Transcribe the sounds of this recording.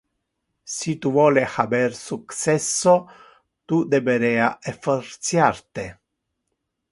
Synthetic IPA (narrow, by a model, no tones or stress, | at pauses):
sit̪uvɔːlexabɛrsuksɛsːo | t̪ud̪ebeɾɛːaʔefort̪sjart̪e